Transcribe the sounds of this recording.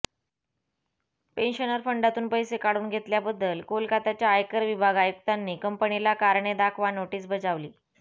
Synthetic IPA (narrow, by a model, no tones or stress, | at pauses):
penɕənəɾfəɳɖat̪uːnpəjsekaɽuːnɡʱet̪ljabəd̪ʱːəlkolkat̪at͡ɕjaːjkəɾʋibʱaɡajek̚t̪anːiːkəmpənilakaɾɳed̪akʰʋanoʈiːsbəd͡zaʋliː